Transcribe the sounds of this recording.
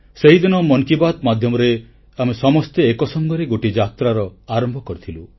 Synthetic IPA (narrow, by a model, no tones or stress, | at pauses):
seɦid̪inɔmɔnkibat̪mad̪ʱjɔmɔɾe | amesɔmɔst̪eekɔsɔŋɡɔɾeɡoʈid͡ʒat̪ɾaɾɔaɾɔmbʱɔkɔɾit̪ʰilu